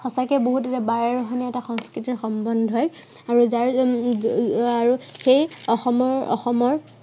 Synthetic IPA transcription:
xɔsakɛboɦutɛtabaɹaɹɔɦanɛɛtaxɔŋskɹitiɹxɔmbɔndʱɦɔj | aɹuzaɹ | aɹuxejɔxɔmɔɹɔ̰xɔmɔɹ

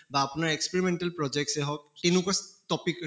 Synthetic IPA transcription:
baːpunaɹekspeɹimɛnʈalpɹɔd͡ʒɛk̚sɛɦɔk̚ːenukɔstɔpik

